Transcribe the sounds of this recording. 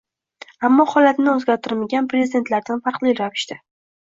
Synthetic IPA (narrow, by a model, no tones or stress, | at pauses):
amːɒhɒlat̪nɪɵzɡʲaɾt̪ʰɪɾmaɡʲanpɾezid̪e̞nt̪laɾd̪anfɑɾqlˠijɾavɪʃt̪ɪ